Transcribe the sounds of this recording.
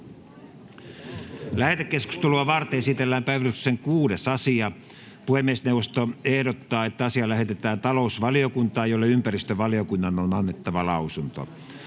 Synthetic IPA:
læhet̪ekːesku̥st̪eluɑʋɑrt̪eesit̪elːæːmpæiʋælykseŋkuːdesɑsiɑ | puhemːiesneuwʋˑost̪oehdot̪ːɑːet̪ːæɑsiɑlæhet̪et̪æːnt̪ɑlousʋɑliokunt̪ɑːjolːɑympærist̪øʋɑliokunːɑnonɑnːet̪ːɑʋɑlɑusunt̪o̰

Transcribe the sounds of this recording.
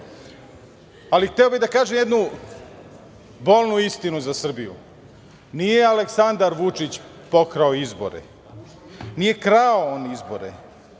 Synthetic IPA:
alixt̪ɛobid̪akaːʒemjed̪nu | bo̞lʲˠnuist̪inuzasr̩bijṵ | nijealeksand̪aɾʋut͡ʃit͡ɕ | po̞kɾaoizbo̞̰ɾḛ | nije̞kɾaoonizbo̞ɾḛ

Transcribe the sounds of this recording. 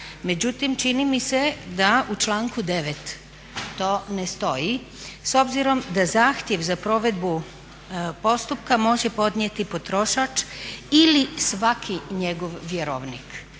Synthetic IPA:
me̞d͡ʑut̪imt͡ʃinimise̞d̪aut͡ʃlˠaːŋkud̪e̞ʋet̪ː | o̞ːnest̪o̞ji | so̞bziɾo̞md̪azaːxt̪je̞ʋzapɾo̞ʋe̞d̪bu | po̞st̪upkamo̞ʒepo̞d̪ɲjet̪ipo̞t̪ɾo̞ʃat͡ʃilisʋakʰiɲeɡo̞ʋʋjeɾo̰ːʋnik

